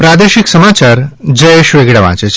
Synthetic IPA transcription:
pɾad̪eʃiksəmat͡ʃaɾd͡ʒəjeʃʋeɡɽaʋã̰t͡ʃe

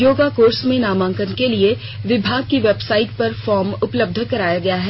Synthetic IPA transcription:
joːɡakoːɾsmẽnaːmãːŋkənkelie | ʋɪbʱaːɡ̚kiʋɛːbsaːɪʈ̚pɐɾfɔːɾmʊpləb̚d̪ʱəkɐɾaːjaɡɐjaɦɛː

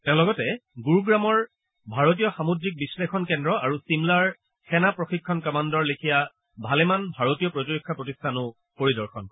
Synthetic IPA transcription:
tɛ̃ʊ̃lɔɡɔtɛɡuɹɡɹamɔɹ | bʱaɹot̬ijɔxamodɹik̚bislexɔnkɛndɹɔaɹusimlaɹ | xɛnapɹoxikʰːɔnkɔmandɔɹlekʰija | bʱalɛmanbʱaɹotijɔpɹotiɹikʰːapɹotistʰanʊ | poɹidɔɹxʰɔn

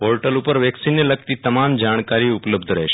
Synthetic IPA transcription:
olʈəlupəɾʋɛksinːeləkt̪it̪əmamd͡ʒaɽ̃kaɾiʊpləbd̪ʱɾə̰ɦeʃe

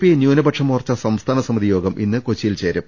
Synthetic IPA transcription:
pinjuːnɐbɐʈʂɐmuːrt͡ɕːɐsɐmst̪ʰaːnɐsɐmiðijo̞ːɡɐmʔḭnːɨkot͡ɕːijilt͡ɕe̞ːɾum

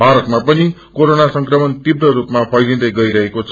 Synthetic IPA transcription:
bʱaɾʌt̪mapʌnikoɾonasʌŋkrʌmʌnt̪ibrʌɾupmapʰʌjd̪ind̪ʌjɡʌiɾʌɦekot͡sʰ

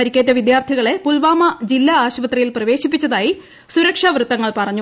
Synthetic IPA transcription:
ɐɾikʲːet̬ːɐʋid̪jaːrt̪ʰiɣɐɭe̞pulʋaːmɐd͡ʑilːɐaːɕʋɐt̪rijilprɐʋe̞ːɕipːit͡ɕːɐðaːji | suɾɐkʂɐʋrɨt̪ːɐŋːɐɭpɐrɐɲːu

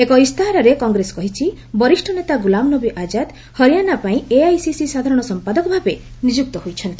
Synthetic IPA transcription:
ekɔist̪ʰaɦaɾaɾekɔŋɡɾesɔ̥kɔɦit͡ʃʰi | bɔɾiʃʈʰɔnet̪aɡulamnɔbiʔad͡ʒat̪ | hɔɾijanapaĩeajsisisad̪ʱaɾɔɽ̃ɔsɔmpad̪ɔkɔbʱabenid͡ʒuk̚t̪ɔɦojt͡ʃʰɔnt̪

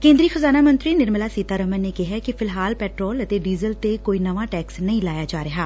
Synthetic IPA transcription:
kẽːnd̪ɾiːxəzaːnaːmə̃nt̪ɾiːnɪɾməlaːsiːt̪aːɾəmənːeːkɪɦaːkɪpʰɪlɦaːlpɛːʈɾɔːlət̪eːɖiːzəlt̪eːkoːiːnəʋãːʈɛːksnəĩːlaːjaːd͡ʒaːɾɪɦaː

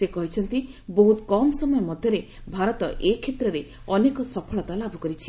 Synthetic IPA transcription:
sekɔɦit͡ʃʰɔnt̪iboɦut̪ɔkɔmɔsɔmɔjɔmɔd̪ʱjɔɾebʱaɾɔt̪ɔʔekʰet̪ɾɔɾe | ɔnekɔsɔpʰɔɭɔt̪alabʱukɔɾit͡ʃʰi̥

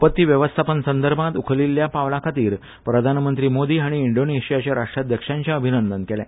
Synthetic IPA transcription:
upət̪ːiːʋjəʋəst̪ʰapənsənd̪əɾbʱãt̪ukʰəliljapaʋlakʰat̪iːɾ | pɾəd̪ʱanmənt̪ɾiːmod̪iːaɽ̃iːɳɖoneɕijat͡ɕjaɾaʂʈɾad̪jəkʂãɲt͡ɕjaəbʱinənd̪ənkɛlɛ

